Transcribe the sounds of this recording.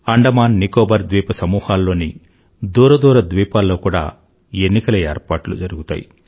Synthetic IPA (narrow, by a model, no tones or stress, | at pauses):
ɐɳɖɐmaːnːikoːbɐɾd̪ʋiːpɐsɐmuːhaːlːo̞ːni | d̪uːɾɐd̪uːɾɐd̪ʋiːpaːlːo̞ːkuːɽa̰ː | enːikɐlɐeːɾpaːʈlṵd͡ʒɐɾuɡut̪a̰ːjḭ